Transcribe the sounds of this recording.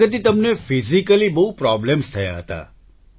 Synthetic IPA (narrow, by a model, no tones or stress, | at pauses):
ət̪̬it̪əmnefizikəlibəɦupɾɔblemst̪ʰəja̰ɦət̪a̰